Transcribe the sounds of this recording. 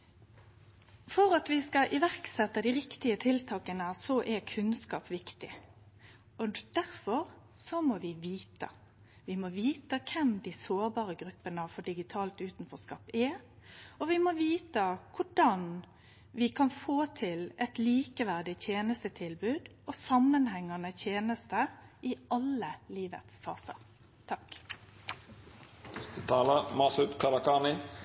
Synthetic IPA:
fɔɾɑt̪ʋɪskɑʔɪʋæʁksɛt̪ːəd̪ɪʁɪkt̪ɪət̪ʰɪlt̪ʰɑːkənəsɔʔɛkʰʉnskɑːpʋɪkt̪ɪ | ɔd̪̥æɾfɔɾ | sɔmɔʋɪʋiːt̪ə̰ | ʋɪmɔʋiːt̪əkʰɛmd̪ɪsoːɾbɑːɾəɡɾʉpːənəfɔɖɪɡɪt̪ʰɑːlt̪ʉːt̪n̩fɔskɑpːɛ | ɔʋɪmɔʋiːt̪əkʰʊɖɑn | ʋɪkʰɑnfoːt̪ʰɪlɛt̪liːkəʋæʁɖ̪ɪt̪ʰjeːnəst̪ət̪ʰɪlbʉːd̪ɔsɑmːənhɛŋːɑnət̪ʰjeːnəst̪əʔɪɑləliːʋə̰t̪sfɑ̰ːsə̰ɾ | t̪ʰɑk | t̪t̪ʰɑːləmɑsʉt̪kʰɑɾɑkɑːnɪ

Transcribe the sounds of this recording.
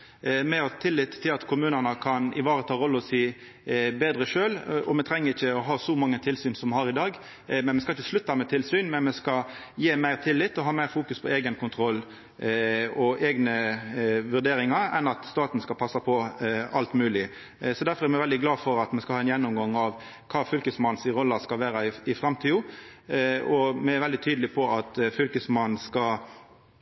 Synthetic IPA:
mɛɑt̪ʰɪlːɪt̪ʰːɪlɑt̪kʰʊmʉːnənəkʰɑnɪ̰ʋɑːɾət̪ʰɑːɾɔlːəɔsiː | beːd̪ɾəʂøːlʔɔmɛt̪ʰɾɛŋːəɾɪçːəɔɦɑːsɔmɑŋːət̪ʰɪlsyːnsɔmɛhɑɾɪd̪ɑːɡ | mɛnmɛskɑɪçːəʂɭʉt̪ːɑmɛt̪ʰɪlsyːnmɛnmɛskɑ | jeːmæɪʁt̪ʰɪlːɪt̪ːɔɦɑːmæɪɾfuːkʉspʰɔeːɡənkʰʊnt̪ʰɾɔlː | ɔʔeːɡnə | ʋʉʁd̪eːɾɪŋɑɾɛ̰nɑt̪st̪ɑːt̪n̩skɑlpʰɑsːɑpʰɔʔɑlt̪mʉːlɪ | sɔd̪æɾfɔɾʁɛʁmɛʋɛld̪ɪɡlɑːfɔɾɑt̪mɛskɑhɑːɛnjɛnːʊmɡɑŋɑʋ | kʰɑːfʏlkəsmɑnsɪɾɔlːɑskɑlʋæːɾɑɪɪfɾɑmt̪ʰiːʊ | ɔmɛæɾʋɛld̪ɪt̪ʰyːd̪lɪpʰɔɑt̪fʏlkəsmɑnn̩skɑ

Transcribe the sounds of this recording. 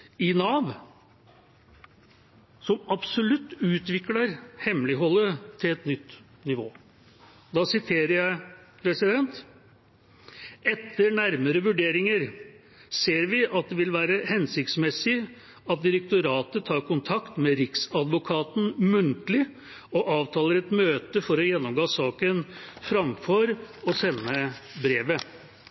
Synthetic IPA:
ɪnɑːʋ | sɔmɑbsɔlʉt̪ːʉːt̪ʋɪklɑɾhɛmlɪɦɔlːət̪ʰɪlɛt̪nʏt̪ː | nɪʋoː | d̪ɑːsɪt̪ʰeːɾəɾjæɪpʰɾɛsɪd̪ɛnt̪ | ɛt̪ʰːəɾnæɾməɾəʋʉɖeːɾɪŋəɾ | seːɾʋɪʔɑt̪̚d̪ɛʋɪlʋæːɾəhɛnsɪkt̪smɛsɪ | ɑt̪̚d̪ɪɾək̚t̪ʊɾɑːt̪ət̪ʰɑːɾkʊnt̪ʰɑkt̪mɛɾɪksɑd̪ʋʊkʰɑːt̪n̩mʉnt̪əlɪ | ɔʔɑːʋt̪ʰɑːləɾɛt̪møːt̪əfɔɾɔjɛnːɔmɡoːsɑːkənfɾɑmfɔɾɔsɛnːəbɾeːʋə

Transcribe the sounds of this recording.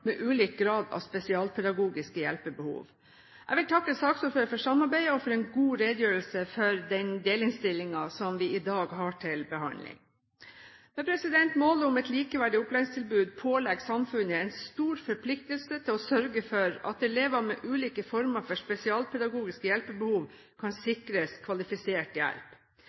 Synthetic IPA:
mɛʔʉːliːk̚ɡɾɑːd̪ɑ̰ʋspɛsɪɑːlpʰɛd̪ɑɡuːɡɪskəjɛ̰lpəbəhṵːʋ | ʔæ̰ɡʋɪlt̪ʰɑkːəsɑːksuːɾføːɾəfɔʂɑmːɑɾbæɪəɔfɔɾɛnɡuːɾeːd̪jøːɾəlsəfɔɾd̪ɛnd̪eːlɪnst̪ɪlːɪŋɑsɔmʋɪʔɪd̪ɑːɡɦɑːʈʰɪlbəɦɑnlɪ̰ŋ | mɛpʰɾɛsɪd̪ɛnt̪moːləʊmɛt̪liːkəʋæɖɪʊplæɪŋst̪ɪlbʉːd̪̚pʰoːlɛɡsɑmfʉnəɛnst̪uːɾfɔɾpʰlɪk̚t̪əlsət̪ʰɪlɔsœɾɡəfɔɾɑ̰t̪̚d̪ɛleːʋəmɛʔʉːliːkəfɔɾməɾfɔʂpɛsɪɑːlpʰɛd̪ɑɡuːɡɪskəjɛlpəbəhuːʋ | kʰɑnsɪkɾəskʰʋɑlɪfɪseːʈjæ̰lp

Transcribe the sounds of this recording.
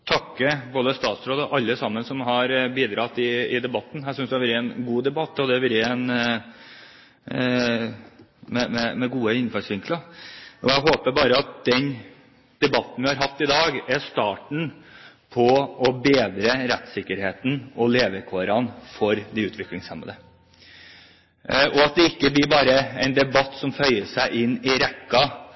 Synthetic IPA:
t̪ʰɑkːəbolːəst̪ɑːt̪sɾoːd̪əʔɑlːəsɑmːənsɔmɦɑɾbiːd̪ɾɑt̪ːɪɪd̪ɛbɑt̪ːn̩hæsʏnsd̪ɛæʋɪɾəɛnɡuːd̪ɛbɑt̪ːɔd̪ɛʋɪɾəɛn | mɛmɛmɛɡuːəɪnfɑsʋɪŋkləɔæɦoːpəbɑːɾəɑt̪̚d̪̥ɛn | d̪̥ɛbɑt̪n̩ʋɪhɑɾɦɑft̪ɪd̪ɑːɡɛʂt̪ɑːʈɳ̩pʰɔɔbeːd̪ɾəɾɛt̪sɪkːəɾheːt̪n̩ɔleːʋəɾkʰʋɑːɾɑnfɔɾd̪ɛʉːt̪ʋɪklɪŋsɛmə̰d̪ə | ʔɔɑt̪̚d̪ɛɪkːəblɪɾbɑːɾəɛɪnd̪ɛbɑt̪ːsɔmfœʏəʂæɪʔɪnːɪɾɛkːɑ

